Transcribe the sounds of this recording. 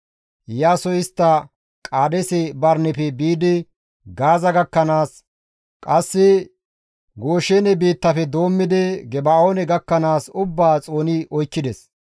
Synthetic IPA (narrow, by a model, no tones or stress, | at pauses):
jaːsɔjɪst̪ːɐ | kʼaːd̪ɛsɛbɐɾnɛpɛbiːd̪ɪ | ɡaːzɐɡɐkːɐnaːs | kʼɐsːɪ | ɡoːʃeːnɛbiːt̪ːɐfɛd̪o̞ːmːɪd̪ɛɡɛbaoːnɛɡɐkːɐnaːsʊbːaːt͡sʼo̞ːnɪʔɔjkːɪd̪ɛs